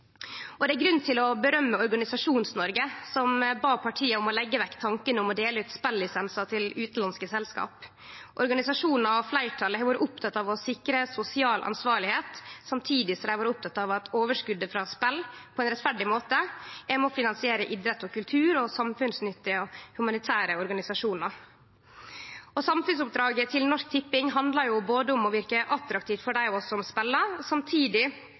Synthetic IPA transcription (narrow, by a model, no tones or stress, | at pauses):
ɔd̪ɛæɾɡɾʉnt̪ʰɪlɔbəɾœmːəɔɾɡɑnɪsɑʂuːnsnɔɾɡəsɔmbɑːpʰɑʈʰiːəʊmɔlɛɡːəʋɛkːt̪ʰɑŋkənəʊmɔd̪eːləʉt̪spɛlːɪsɛnsɑt̪ʰɪlʉːt̪n̩lɑnskəsɛlskɑ̰ːp | ʔɔɾɡɑnɪsɑʂuːnn̩ɑflæɪʈʰɑlːəʋɑːɾəʔʊp̚t̪ʰɑt̪ːɑːʋɔsɪkɾəsʊsɪɑːlʔɑ̰nsʋɑːɾɭɪheːt̪sɑmt̪ʰiːd̪ɪsɔæʋɑːɾəʊp̚t̪ʰɑt̪ːɑːʋɑt̪ʰoːʋəʂkʉd̪əfɾɑspɛlːpʰɔɛnɾɛt̪fæɖɪmoːt̪əæmɔfɪnɑnsɪeːɾəʔɪd̪ɾət̪ːɔkʉlt̪ʰʉːɾɔsɑmfʉnsnʏt̪ːɪɔhʉmɑnɪt̪ʰæːɾəɔɾɡɑnɪsɑʂuːnɑɾ | ɔsɑmfʉnsʊp̚d̪ɾɑːɡət̪ʰɪlnɔʂk̚t̪ʰɪpːɪŋɦɑnd̪lɑɾjʊboːd̪əʊmɔʋɪɾkəʔɑt̪ɾɑkt̪iːft̪fɔɖæɪɔɔsɔʊmspɛlːəsɑmt̪ʰiːd̪ɪ